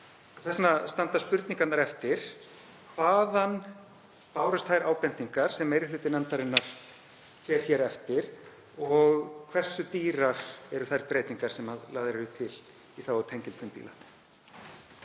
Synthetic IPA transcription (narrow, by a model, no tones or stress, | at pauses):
ɔθɛsnast̪ant̪aspʏɾt̪niŋkat̪naɾɛft̪ɪɾ̥ | kʰvaːðan | paːwɾʏst̪ʰajɾaːwpɛnt̪iŋkaɾ̥sɛmejɾɪlʏːt̪ɪnɛnt̪aɾɪnːaɾ̥ | fjɛːɾ̥çɛːɾɛft̪ɪɾ | ɔɣkʰvɛr̥sʏt̪iːɾaɾ̥ɛɾʏθajɾpɾeːjt̪iŋkaɾ̥sɛmaðlaːðɪɾɾʏt̪ʰːɪl | iθawɔt̪ʰejɲcɪlt̪fʏmpḭla